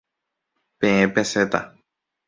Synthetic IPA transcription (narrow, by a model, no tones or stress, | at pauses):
pẽẽpeset̪a̰